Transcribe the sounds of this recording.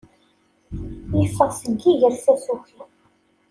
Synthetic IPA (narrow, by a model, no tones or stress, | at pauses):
jəfːəʁˤsəɡːiʝəɾθæsuçi